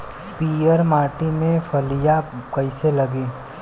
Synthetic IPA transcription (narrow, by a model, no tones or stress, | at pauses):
piəɾmaːʈimẽfʰɐlijakɐɪselɐɡiː